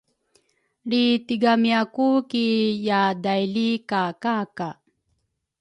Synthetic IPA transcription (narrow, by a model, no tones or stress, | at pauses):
ɭitiɡamiakukijadajlikakaka